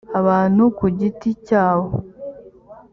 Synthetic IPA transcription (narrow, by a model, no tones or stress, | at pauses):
aβaːn̥hukuɟiticaːβo